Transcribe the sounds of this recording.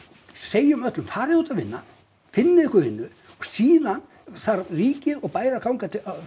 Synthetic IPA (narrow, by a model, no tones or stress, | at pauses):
seːjʏmœt̪lʏmfaːɾɪuːt̪avɪnːa | fɪnːɪðɛhkʏɾvɪnːʏ | ɔɣsiːðan | θaɾriːcɪɾɔɣpaːjɾakʰawŋkat̪ʰ